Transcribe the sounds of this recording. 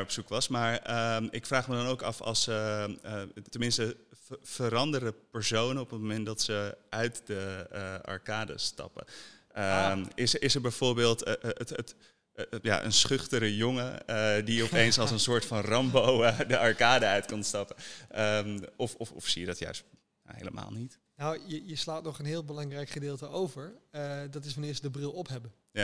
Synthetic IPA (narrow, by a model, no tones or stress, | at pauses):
ɔpsukʋɑsmaːɹəɪkfraːχmədɑnowkɑ̰fɑ̰lˠsə | tənmɪnstəv̥əɾɑndərəpəɹsownənɔpət̚momɛnt̚dɑtsəʔœɥtdəɑ̰ɹkaːdə̰stɑ̰pə̰ | əɪsɪsəɹbɛjv̥ʊːɹbeːlˠttət | ja̰ʔə̰nsχʏχtəɾəjoŋədiɔpejnsɑlˠsənsʊːɹtfɑnrɑmbowədəʔɑɹkaːdəœɥtkɑnstɑpəəmɔfɔfɔ̰fsijədɑtjœ̰ɥst | ɦḛjləmʔa̰ːlˠnit | nawjəjəslaːtnɔχənɦɪːlˠbəlɑŋrɛjkχədɪːlˠtəʔowvəɹdɑtɪsʋɑnɪːɹsdəbrɪlˠɔpɦɛbən | ja